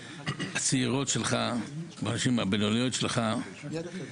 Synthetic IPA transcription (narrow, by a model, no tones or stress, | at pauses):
hat͡siiʁo̞tʃelχabaːnaʃimhabenolijotʃelχa